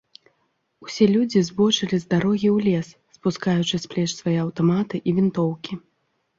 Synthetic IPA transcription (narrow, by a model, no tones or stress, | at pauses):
usʲɛlʲud͡zʲizbɔt͡ʂɨlʲizd̪aɾɔɣʲiwlʲɛs | spuskajut͡ʂɨsplʲɛt͡ʂsvajɛɐwt̪amat̪ɨʔivʲint̪ɔwkʲi